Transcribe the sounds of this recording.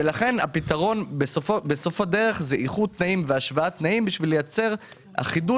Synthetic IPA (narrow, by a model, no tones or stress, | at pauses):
velaχe̞napitaʁo̞nbesofbesofade̞ʁe̞χzeʔiχud̚t̪naimveaʃvaat̪naimbiʃvilejat͡se̞ʁ | ha̰χidu